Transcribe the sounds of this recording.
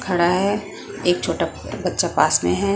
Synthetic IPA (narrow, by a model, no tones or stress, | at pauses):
kʰɐɽaɦɛ | eːk̚t͡ʃʰoːʈabɐtːʃapaːsmẽɦɛ